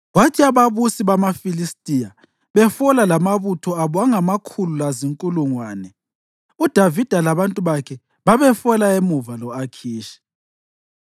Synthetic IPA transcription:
watʰiaβaβusiβamafilistʼija | βɛfɔlalamaβutʰɔaβɔaŋamakʰululaziŋkʼuluŋwaːnɛ | ud̥ʱavid̥ʱalaβantʼuβakʰɛ | βaβɛfɔlaemuvalɔakʰiːʃi̥

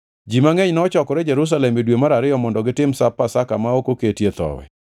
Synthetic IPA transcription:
d͡ʒimaŋeɲnɔt͡ʃɔkɔɾɛd͡ʒɛɾus̬alɛmidwemaɾaɾɪɔmɔndɔɡɪtɪmsapːasakamaokoketjet̪ɔ̰wɛ̰

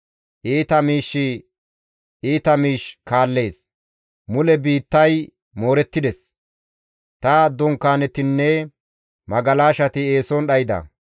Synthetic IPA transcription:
ʔiːt̪ɐmiːʃːɪ | iːt̪ɐmiːʃkaːlːe̞ːs | mʊlɛbiːt̪ːɐj | moːɾɛt̪ːɪd̪ɛs | t̪ɐd̪ɔŋkːaːnɛt̪ɪnːɛ | mɐɡɐlaːʃɐt̪ɪe̞ːsɔnɗɐjɪd̪ɐ̰

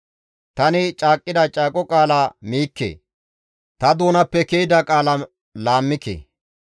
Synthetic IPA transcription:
t̪ɐnɪt͡ʃʼaːkʼːɪd̪ɐt͡ʃʼaːkʼɔkʼaːlamiːkːḛː | t̪ɐd̪oːnɐpːɛkejɪd̪ɐkʼaːlɐ | laːmːɪkḛː

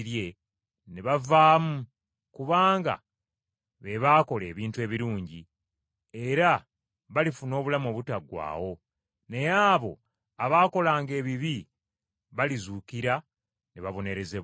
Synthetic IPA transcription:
ɾje̞ | neβavaːmu | kuβaːŋɡa̰ | βe̞βaːko̞le̞̰ːβiːntue̞ːβiɾuːɲɟi | e̞ɾa | βalifuno̞ːβulamo̞ːβutaɡwa̰ːwo̞ | ne̞jaːβo̞ | aβaːko̞laːŋɡe̞ːβiβi | βalizuːkiɾa | neβaβo̞ne̞ɾe̞ze

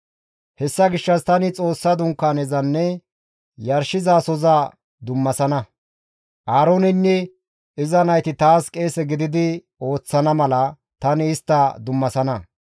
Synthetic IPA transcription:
hɛsːɐɡɪʃːɐst̪ɐnɪt͡sʼo̞ːsːɐd̪ʊŋkːaːnɛzɐnːɛ | jɐɾʃɪzaːsɔzɐ | d̪ʊmːɐsɐnɐ | ʔaːɾoːnɪnːɛ | ɪzɐnɐjt̪ɪt̪aːskʼe̞ːsɛɡɪd̪ɪd̪ɪ | o̞ːt͡sːɐnɐmɐlɐ | t̪ɐnɪːst̪ːɐd̪ʊmːɐsɐnɐ

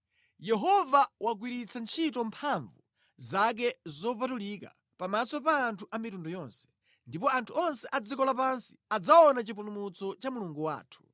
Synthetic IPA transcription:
jɛɦɔvawaɡwiɾit͡sʰant͡ʃʰitɔmpʰaɱvu | zak̬ɛzɔpatulika̰ | pamasɔpaːntʰuʔamitundɔjɔnsɛ̥ | ndipɔantʰuɔnsɛʔad͡zikɔlapansi̥ad͡zaɔnat͡ʃip̬ulumut͡sɔt͡ʃamuluŋɡuwa̰ːtʰu̥

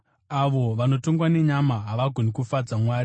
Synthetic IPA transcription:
aʋo̞ʋano̞to̞ŋɡwane̞ɲamaɦaʋaɡʱonikufad͡zamwaːɾi

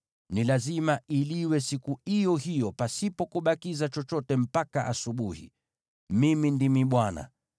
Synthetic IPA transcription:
nilazimailiwɛsikuijɔhijɔpasipɔkuɓakizat͡ʃɔt͡ʃɔtɛm̩pakaʔasuɓuhḭ | mimindimiɓwana̰

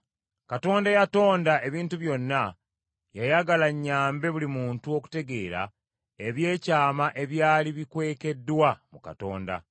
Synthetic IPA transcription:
kato̞ːndajato̞ːndaʔe̞βiːntuβjo̞nːa | jajaɡalaɲːaːmbe̞βulimuːntuo̞ku̥te̞ɡe̞ːɾa̰ | e̞βje̞ːcaːmaʔe̞βjaːliβikwe̞ːke̞dːwamuka̰to̞̰ːnda̰

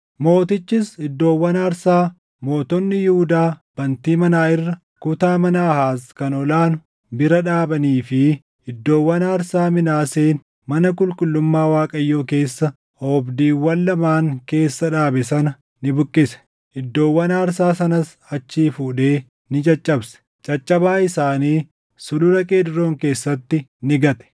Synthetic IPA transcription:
mo̞ːt̪ɪt͡ʃːɪsɪd̪ːo̞ːwːɐnaːɾsaː | mo̞ːt̪ɔnːɪjuhʊd̪aːb̥ɐnt̪iːmɐnaːɪrːɐ | kʊt̪aːmɐnɐːhaːskɐnɔlaːnʊ | bɪɾɐᶑaːbɐniːfɪ | ɪd̪ːo̞ːwːɐnaːɾsaːmɪnaːseːn | mɐnɐkʼʊlkʼʊlːʊmːaːwaːkʼɐjːo̞ːke̞ːsːɐ | ɔbd̪iːwːɐnːɐmaːŋke̞ːsːɐᶑaːbɛsɐnɐ | nɪbʊkʼːɪsɛ̥ | ɪd̪ːo̞ːwːɐnaːɾsaːsɐnɐs | ɐt͡ʃːiːfuːᶑe̞ː | nɪt͡ʃʼɐt͡ʃʼːɐbsɛ̥ | t͡ʃʼɐt͡ʃʼːɐbaːɪsaːniː | sʊlʊɾɐkʼeːd̪ɪɾo̞ːŋke̞ːsːɐt̪ːɪnɪɡɐt̪ʼɛ̥

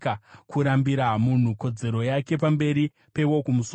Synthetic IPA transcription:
akuɾambiɾamun̤uko̞d͡ze̞ɾo̞jake̞p̬ambe̞ɾi | pe̞wo̞kumus

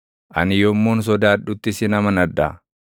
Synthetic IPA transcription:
ʔɐ̰nɪjomːoːns̬ɔd̪aːᶑʊt̪ːɪsɪnɐmɐnɐd̪ːa̰

